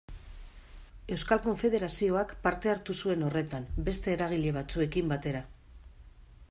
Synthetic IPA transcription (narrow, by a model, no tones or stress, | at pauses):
e̞wskalko̞ɱfe̞ðe̞ɾasio̞akpaɾt̪e̞aɾt̪usue̞no̞re̞t̪ambe̞st̪e̞ːɾaɣ̞iʎe̞β̞at͡sue̞kimbat̪e̞ɾa